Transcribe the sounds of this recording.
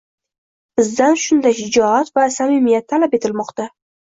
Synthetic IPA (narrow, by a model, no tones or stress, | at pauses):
b̥ɪzd̪anʃʊnd̪aʃɪd͡ʒɒat̪vasamɪmijat̪ʰːalape̞t̪ʰɪlmɒqt̪a